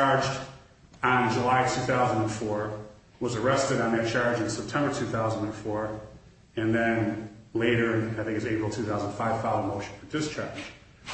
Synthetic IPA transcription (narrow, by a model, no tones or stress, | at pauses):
ɑɹd͡ʒ | ə̃nd͡ʒəlaɪtʰʉθaʊzə̃ndə̃nfɔɹ | wʌzə˞ɛstɨɾn̩ðɨt̚t͡ʃʰɑɹd͡ʒɨ̃nsɛp̚tʰɛ̃mbə˞tʰʉθaʊzə̃n̩də̃nfɔɹ | ɨ̃nðɨ̃nleɪɾə˞aɪθɪ̃ŋkɨzeɪpɹl̩ˠtʰʉθaʊz̃n̩faɪv̥faə̃moʊʃnfədɪst͡ʃʰɑɹ̥